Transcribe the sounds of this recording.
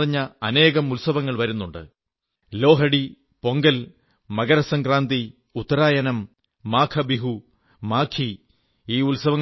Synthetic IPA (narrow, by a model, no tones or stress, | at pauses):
riɲːɐɐne̞ːɣɐmulsɐʋɐŋːɐɭʋɐɾunːuɳɖɨ̰ | lo̞ːɦɐɽi | po̞ŋɡɐl | mɐɣɐɾɐsɐŋɡraːnd̪i | ut̪ːɐɾaːjɐnɐmː | aːkʰɐbiɦu | maːkʰi | iːulsɐʋɐŋː